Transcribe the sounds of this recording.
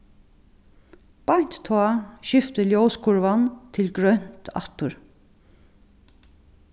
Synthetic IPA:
b̥aɲ̥t̪t̪ʰɔaːʃɪft̪əljowskʰʊɹʋant̪ʰɪlɡɹœn̥t̪a̰t̪ʊɹ

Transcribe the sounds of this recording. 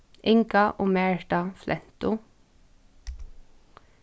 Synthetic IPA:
ʔɪŋkɑʔoːmeːɹʈɑflʔɛnt̪ʊ

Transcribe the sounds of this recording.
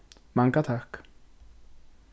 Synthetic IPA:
maŋkat̪ʰaxk

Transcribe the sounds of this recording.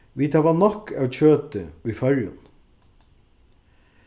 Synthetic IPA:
ʋiːt̪ʰɑːʋɑːnɔkɑc͡çøːt̪əʋiːfœɾjə̰n

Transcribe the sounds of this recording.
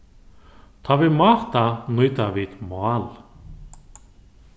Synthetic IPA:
θʰavɪðmaːht̪anujt̪aviðmaːl

